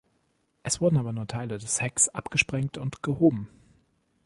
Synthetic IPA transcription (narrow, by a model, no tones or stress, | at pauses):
ʔɛsv̥ʊɐdn̩aːbɐnuːɐtʰaɪlədɛshɛksʔa̰pɡ̥əʃpʁ̥ɛŋktʊntɡ̥əhoːbm̩